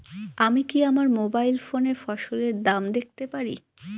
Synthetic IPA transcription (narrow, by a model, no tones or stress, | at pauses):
amikiamaɾmobajlfonefɔʃoleɾd̪amd̪ek̚t̪epaɾḭ